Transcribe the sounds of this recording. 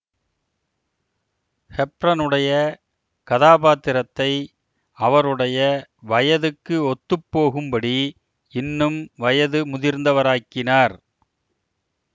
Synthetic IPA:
hɛpɾɐnɯɽɐjɐ | kɐðaːpaːt̪ːɪɾɐt̪ːɐɪ | ɐʋɐɾɯɽɐjɐʋɐjɐðɯkːɯɔt̪ːɯpːoːɣɯmbɐɽi | ɪnːɯmʋɐjɐðɯmʊðɪɾnd̪ɐʋɐɾaːkːɪnaːɾ

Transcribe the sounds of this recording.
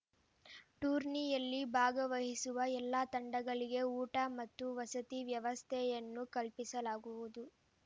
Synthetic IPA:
ʈuːɾnijɐlːibʱaːɡɐʋɐɦisuʋɐɛlːaːt̪ɐɳɖɐɡɐɭiɡe̞uːʈɐmɐt̪ːuʋɐsɐt̪iʋjɐʋɐst̪ʰɛjɐnːukɐlpisɐlaːɡuʋud̪u

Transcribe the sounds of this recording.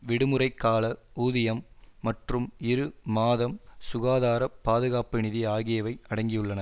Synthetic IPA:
ʋɪɽɯmɯɾɐɪkːaːlɐuːðɪjɐmːɐʈrɯmɪɾɯmaːðɐmsʊɣaːðaːɾɐpaːðɯɣaːpɯnɪðiaːɣɪjɐʋɐɪɐɽɐŋɡɪjɯɭːɐnɐ

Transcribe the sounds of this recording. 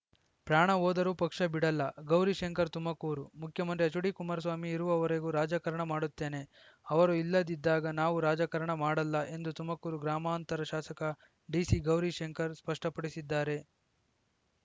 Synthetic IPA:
pɾaːɳɐɦoːd̪ɐɾupɐkʂɐbiɽɐlːɐɡɐwɾiʃeŋkɐɾt̪umɐkuːɾumukʰjɐmɐnt̪ɾiɐt͡ʃuɽikumaːɾs̬ʋaːmiːɾuʋɐːʋɐɾeɡuɾaːd͡ʒɐkɐɾɐɳɐmaːɽut̪ːe̞ːne̞ | ɐʋɐɾuilːɐd̪id̪ːaːɡɐnaːʋuɾaːd͡ʒɐkɐɾɐɳɐmaːɽɐlːɐʔe̞nd̪ut̪umɐkuːɾuɡɾaːmaːnt̪ɐɾɐʃaːsɐkɐ | ɖiːsiɡɐwɾiʃeŋkɐɾspɐʂʈɐpɐɽisid̪ːaːɾe̞

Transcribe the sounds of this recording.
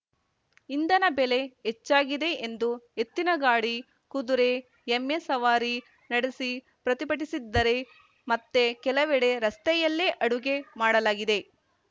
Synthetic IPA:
ind̪ɐnɐbele̞ɦet͡ʃːaːɡid̪e̞ʔend̪uet̪ːinɐɡaːɽi | kud̪uɾe̞ | emːesɐʋaːɾi | nɐɽesi | pɾɐt̪ipɐʈ̬isid̪ːɐɾe̞ | mɐt̪ːekɛlɐʋɛɽe̞ɾɐst̪ɛjɐlːeːʔɐɽuɡe̞maːɽɐlaːɡid̪e̞

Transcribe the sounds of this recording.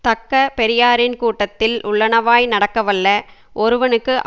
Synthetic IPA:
t̪ɐkːɐpɛɾɪjaːɾɪnkuːʈːɐt̪ːɪlʔʊɭːɐɳɐʋaːjnɐɽɐkːɐʋɐɭːɐʔɔɾɯʋɐnɯkːɯʔ

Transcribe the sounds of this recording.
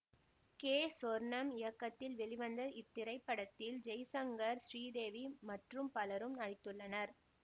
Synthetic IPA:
keːsɔɾnɐmɪjɐkːɐt̪ːɪlʋɛɭɪʋɐnd̪ɐʔɪt̪ːɪɾɐɪpːɐɽɐt̪ːɪld͡ʒɛjsɐŋɡɐɾsɾiːd̪eːʋimɐʈrɯmpɐlɐɾɯmnɐɽɪt̪ːɯɭːɐnɐɾ

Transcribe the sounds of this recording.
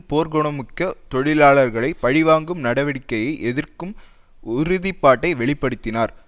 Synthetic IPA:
poːɾɡɔɳɐmɯkːɐt̪ɔɻɪlaːɭɐɾɣɐɭɐɪpɐɻɪʋaːŋɡɯmnɐɽɐʋɐɽɪkːɐjɐɪʔɛðɪrkɯm | ʊɾʊðipːaːʈːɐɪʋɛɭɪpːɐɽɯt̪ːɪnaːɾ

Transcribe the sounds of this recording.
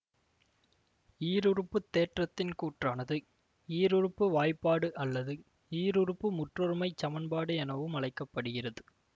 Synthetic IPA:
iːɾɯrɯpːɯt̪ːeːʈrɐt̪ːɪnkuːʈraːnɐðɯ | iːɾɯrɯpːɯʋaːjpːaːɽɯʔɐlːɐðɯ | iːɾɯɾɯpːɯmʊʈrɔɾɯmɐɪt͡ʃːɐmɐnbaːɽɯɛnɐʋɯmɐɭɐɪkːɐpːɐɽɯɣɪrɐðɯ

